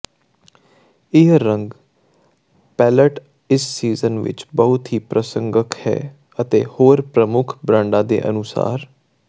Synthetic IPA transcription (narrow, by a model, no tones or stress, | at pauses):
ɪɦɾə̃ŋɡ | pɛːləʈ | ɪsːiːzənʋɪ̰t͡ʃbəɦʊt̪ɦiːpɾəsə̃ŋɡəkʰhɛ̰ː | ət̪ḛːhoːɾpɾəmʊkʰbɾãːɳɖãːd̪ḛːʔə̰nʊsa̰ːɾ